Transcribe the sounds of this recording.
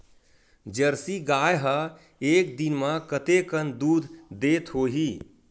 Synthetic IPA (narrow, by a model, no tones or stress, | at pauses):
d͡ʒəɾsiɡajɦə | ek̚d̪inmə̃kət̪ekənd̪uːd̪ʱd̪et̪ɦoɦi